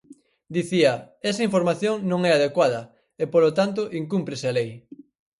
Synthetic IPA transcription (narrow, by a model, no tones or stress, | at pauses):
d̪iθiɐ | ɛsɐiɱfoɾmaθjoŋnõŋɛaðekwaðɐ | epolot̪ant̪̬oʔiŋkumpɾesɪalej